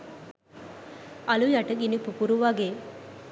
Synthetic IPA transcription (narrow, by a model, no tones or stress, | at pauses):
alujaʈəɡinipukuɾuʋaɡeː